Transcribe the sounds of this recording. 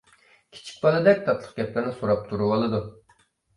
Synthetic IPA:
kʲʰi̥t͡ʃʰi̥k̚ʲbɑlˠɨd̪ɛk̚ʲt̪ʰɑt̪ʰlˠə̥q̚ɡʲɛplɪɾnɪsuɾɑp̚t̪ʰuɾuwolˠɨd̪u

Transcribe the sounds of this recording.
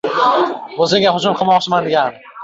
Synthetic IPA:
ozɪŋʲaɦʊd͡ʒʊmqʰɨlˠmɒqt͡ʃʰɪmand̪ɪɡʲan

